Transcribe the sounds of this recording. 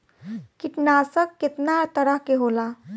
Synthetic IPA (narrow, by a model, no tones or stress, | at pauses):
kiʈnasəkːet̪nat̪əɾəɦkeɦola